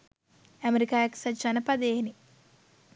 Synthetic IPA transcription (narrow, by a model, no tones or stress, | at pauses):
æmeɾikaːjaksat͡ʃanəpad̪eːni